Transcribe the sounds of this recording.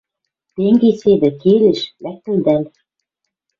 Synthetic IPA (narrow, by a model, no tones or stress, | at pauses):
t̪eŋɡesed̪ɘ̆keleʃlæk̚t̪ɘ̆ld̪æl